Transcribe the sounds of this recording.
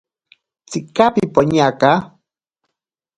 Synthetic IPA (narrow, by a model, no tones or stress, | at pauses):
t͡sikapipoɲaka